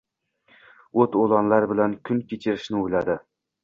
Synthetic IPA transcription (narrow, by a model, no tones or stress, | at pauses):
ot̪olˠanlaɾbɪlankʰʲʊnkʲʰet͡ʃʰɪɾɪʃnɪojlad̪ɪ